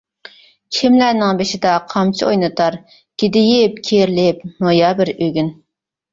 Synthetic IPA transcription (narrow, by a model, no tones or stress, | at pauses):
kʲʰɪmlæːnɪŋbeʃɪd̪ɑqʰɑmt͡ʃʰiojnɨt̪ʰɑɾ | ɡ̥ʲed̪ɪjɪp̚kʲʰeɾlɪpnojɑːbɪɾøɡʲyn